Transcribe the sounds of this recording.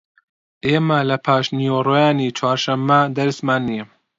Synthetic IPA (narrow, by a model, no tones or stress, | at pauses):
ʔeːmɐlɐpʰaːʃniorojaːnit͡ʃʰwaːɾʃɐmːɐd̪ɐɾsmaːnːi